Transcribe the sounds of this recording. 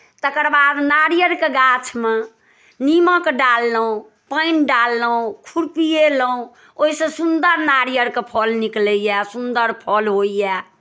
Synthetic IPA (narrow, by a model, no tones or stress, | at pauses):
t̪əkəɾbad̪naɾijəɾkeɡat͡ʃʰme | nimə̃kɖalːəɦũ | pəɪnɖalːəũkʰuɾpijeləũ | oɦisə̃sund̪əɾnaɾijəɾkepʰɔlnikləjɛsund̪əɾpʰɔlɦoijɛ